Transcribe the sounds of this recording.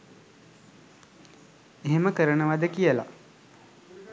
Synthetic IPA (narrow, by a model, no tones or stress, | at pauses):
eɦeməkəɾənəʋad̪əkijəla̰